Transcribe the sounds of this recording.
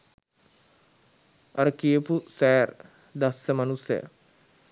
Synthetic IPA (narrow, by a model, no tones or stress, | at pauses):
ɐɾəkijəpusɛːr | d̪asːəmanusəjə̰